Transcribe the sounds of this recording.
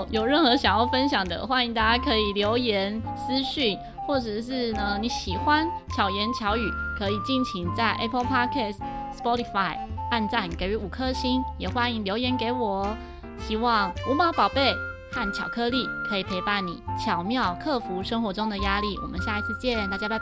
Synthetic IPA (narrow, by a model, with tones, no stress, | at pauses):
jo˨˩ʊɻə˥˩nxɤ˧˦ɕjɑ˨˩ŋjɑ˥˧ʊfə˥nɕ̬jɑ˨˩ŋd̪ə̰˦xwa˥ni˧˥ŋt̪a˥˩t͡ɕja˥kʰɤ˧˥i˨˩ljo˧˥ʊjɛ˧˥nsɹ̩˥ɕy˥˩n | xwɔ˥˩ʈ͡ʂɤ˨˩ʂɻ̩˥˩nə˩ni˨˧˥ɕi˨˩xwa˦nt͡ɕʰjɑ˨˩ʊjɛ˧˥nt͡ɕʰjɑ˧˥ʊy˨˩kʰɤ˧˥i˨˩t͡ɕi˥˩nt͡ɕʰi˧˥ŋt͡sa˥˩ɪʔe˥pʰə˥lpʰa˥kʰɛ˥˩sspɔ˦˥ɾi˨fa˧˩ɪa˥˧nt͡sa˥˩nke˨˩ɪy˧˥u˨˩kʰɤ˥˩ɕi˥njɛ˨˩xwa˥ni˧ŋljo˧˥ʊjɛ˧˥nke˧˥ɪwɔ˨˩ | ɕi˧˥wɑ˥˩ŋu˧˥mɑ˧˥ʊpɑ˨˩ʊpe˥˩ɪ | xa˥˩nt͡ɕʰjɑ˨˩ʊkʰɤ˥˧li˥˩kʰɤ˧˥i˨˩pʰe˧˥ɪpa˥˩nḭ˨˩˦t͡ɕʰjɑ˨˩ʊmjɑ˥˧ʊkʰɤ˥˩fu˧˥ʂə˥ŋxwɔ˧˥ʈ͡ʂʊ˥ŋd̪ə˨ja˥li˥˩wɔ̰˨˩mə̰˦nɕja˥˩i˧˥t͡s̩ʰ˥˧t͡ɕjɛ˥˧t̪a˥˩t͡ɕja˥pe˥˧˩